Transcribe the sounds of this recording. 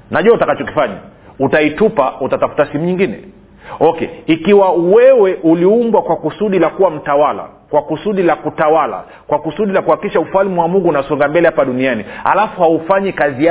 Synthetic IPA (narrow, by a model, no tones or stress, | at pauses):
naʄuautakat͡ʃɔki̥faɲa̰ | utaitupautatafu̥tasim̩uɲiŋɡinɛ̰ | ɔkɛ̰ikiwawɛwɛʔuliumbwakwakusuɗilakuwam̩tawala̰ | kwakusuɗilakutawala̰ | kwakusuɗilakuhakiʃaufalmuwamuŋɡuːnasɔŋɡambɛlɛhapaɗunianiha̰lafuhaufaɲikazia